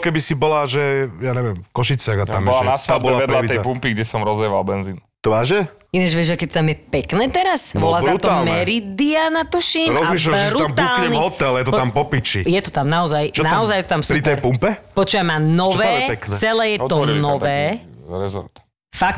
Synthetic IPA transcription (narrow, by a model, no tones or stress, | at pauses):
kɛbisibɔlaʒɛjaːɲɛʋɪɛmfkɔʃit͡sɪaɣat̪amɔlanasʋ̪abɔlaɛd̪laiɛjpumpiɡɟɛsɔmɾɔzɛʋalbɛnziːnt̪ɔʋaːʒɛ | inɛʒʋiɛʒakɛt̪ːt̪amjɛpɛknɛːt̪ɛɾasʋɔlazaut̪ɔalmɛɾid̪ianat̪uʃimɾɔzmiʃlaɾuamtp̪uɲɛnvɦɔt̪ɛljɛt̪ɔt̪ampɔpit͡ʃijɛt̪ɔ̥t̪amnaɔzajt͡ʃɔnaɔzajɛt̪ɔt̪amspɾit̪ɛjpumpɛpɔt͡ʃuːʋamanɔɔʋɛːɛɛpɛknɛt͡sːt͡sɛlɛːjɛt̪ɔnnɔʋɛːɾɛzɔ̰ɾt̪ | fak̚